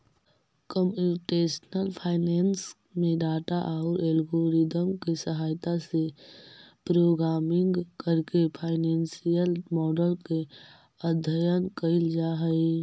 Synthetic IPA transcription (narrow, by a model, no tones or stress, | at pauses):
kəmjuʈeːʃnəlpʰaːɪneːns | mẽɖaːʈaʔaʊɾeːlɡoːɾid̪əmkesəɦaːjt̪ase | pɾoːɡɾaːmɪ̃ŋɡkəɾkepʰaːɪnẽːnsijəlmɔːɖəlke | əd̪ʱəjənkəɪld͡ʒaːɦəi